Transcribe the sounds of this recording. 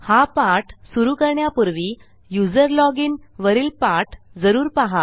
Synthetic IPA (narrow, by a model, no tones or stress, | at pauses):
hapaʈsuɾuːkəɾɳjapuɾʋi | jud͡zəɾlɔɡiːnʋəɾiːlpaʈd͡zəɾuːɾpaɦa